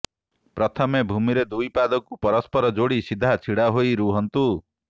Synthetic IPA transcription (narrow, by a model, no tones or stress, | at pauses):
pɾɔt̪ʰɔmebʱumiɾed̪ujpad̪ɔkupɔɾɔspɔɾɔd͡ʒoɽisid̪ʱːat͡ʃʰiɽaɦojɾuɦɔnt̪u